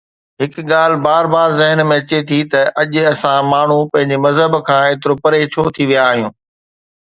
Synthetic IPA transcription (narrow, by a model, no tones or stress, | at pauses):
ɦɪkɠaːl̤ɪbaːɾbaːɾzɪɦənmẽɐt͡ɕet̪ʰit̪ɐʔɐʄɐsãmaːɳ̤upɐ̃ɦɪ̃ɲd͡ʑemɐzɦəbkʰãːeːt̪̬ɪɾopɐɾet͡ɕʰoːt̪ʰiʋijaːɦijũː